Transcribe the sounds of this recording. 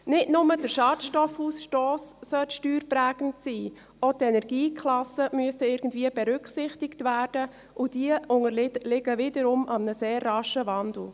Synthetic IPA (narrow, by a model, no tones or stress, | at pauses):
nɪtnʊmədəɾʃɑːtʃtɔfhuːsʃtoːssœltʃtyːɾpɾæːɡ̥n̩tsiː | otɛnɛɾɡiːkʰlɑsəmyəstəɪɾɡ̥n̩dviːəbɛɾʏkχsɪχtɪktvæːrd̥ə | ʔʊd̥iəʊŋəlɪɡəʋɪdəɾʊmʔɑmnəseːrːɑʃəvɑndl̩ˠ